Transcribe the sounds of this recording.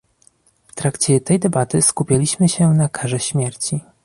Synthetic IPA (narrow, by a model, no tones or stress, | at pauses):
ft̪ɾakt͡ɕɛt̪ɛjd̪ɛbat̪ɘskupʲjalʲiɕmɘɕɛnakʰaʐɛɕmʲjɛɾt͡ɕi